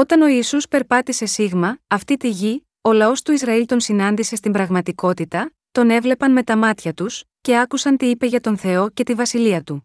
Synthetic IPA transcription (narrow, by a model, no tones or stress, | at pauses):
o̞t̪ɐno̞iːsuspe̞ɾpɐt̪ise̞siɣmɐːft̪it̪iʝi | o̞lɐo̞st̪uizɾɐilt̪o̞nsinɐnd̪ise̞st̪imbɾɐɣmɐt̪iko̞t̪it̪ɐ | t̪o̞ne̞vle̞pɐnme̞t̪ɐmɐt̪çɐt̪usce̞ɐkusɐnt̪iipe̞ʝɐt̪o̞nθe̞o̞ce̞t̪ivɐsiliɐt̪u